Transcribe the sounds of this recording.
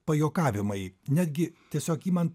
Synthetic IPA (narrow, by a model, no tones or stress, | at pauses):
pɐjoːkɑːʋʲɪmɐɪnʲæːd̪ʲɡʲɪt̪ʲiɛsʲoːkiːmɐnt̪